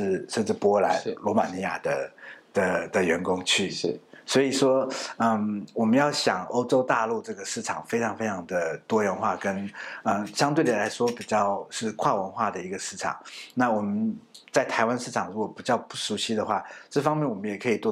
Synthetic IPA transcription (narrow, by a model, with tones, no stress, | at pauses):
ʂɻ̩˥˩ʂə˥˧nʈ͡ʂ̩˥˩pwɔ˥la˧˥nlwɔ˧˥ma˨˩ni˧˥ja̰˨˩d̪ə˦d̪̥ə˨d̪ə˨ɥɛ˧˥nkʊ˥ŋt͡ɕʰy˥˩˥swɔ˧˥i˨˩ʂwɔ˥ə˥˧˩mwɔ˨˩mə˦njɑ˥˩ʊɕjɑ˨˩ŋo̰˥ʊʈ͡ʂo˥ʊt̪a˥˧lu˥˧ʈ͡ʂɤ˥˩ɡə˩ʂɻ̩˥˩ʈ͡ʂʰɑ˨˩ŋfe˥ɪʈ͡ʂʰɑ˧˥ŋfe˥ɪɑ˧˥ŋd̪ə˨t̪wɔ˥ɻə˧˥nxwa˥˩kə˥nə˥˧ɕjɑ˥ŋt̪we˥˩ɪd̪ə˩la˧˥ɪʂwɔ˥pi˨˩t͡ɕjɑ˥˧ʊʂɻ̩˥˧kʰwa˥˩wə˧˥nxwa˥˩d̪ə˩i˧˥ɡə˧ʂɻ̩˥˩ʈ͡ʂʰɑ̰˨˩ŋna˥˩wɔ˨˩mə˦nt͡sa˥˩ɪt̪ʰa˧˥ɪwa˥nʂɻ̩˥˩ʈ͡ʂʰɑ˨˩ŋɻu˧˥kwɔ˨˩pi˨˩t͡ɕjɑ˥˧ʊpu˥˩ʂu˧˥ɕi˥d̪ə˨xwa˥˩ʈ͡ʂɤ˥˩fɑ˥ŋmjɛ˥˩nwɔ˨˩mə˦jɛ˨˩kʰɤ˧˥i˨˩t̪wɔ˥˩